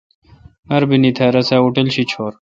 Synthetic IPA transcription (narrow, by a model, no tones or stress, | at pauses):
mɐɾbinit̪ʰɐːɾɐsaːuʈelɕit͡ɕʰoːɾ